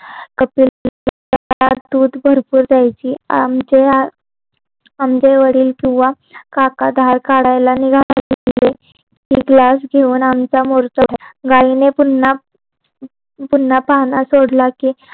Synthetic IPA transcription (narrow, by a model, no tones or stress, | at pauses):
kəpil | ad̪uːd̪bʱəɾpuːɾd̪jajt͡ɕiːamd͡ʑea | amd͡ʑeʋəɽiːlkĩw̃ʋa | kakad̪ʱaɾkaɽajlaniɡʱalele | kiɡlasɡʱeuːnamt͡samoɾt͡səɡainepuna | pun̤ːapaɦnasoɽlakiː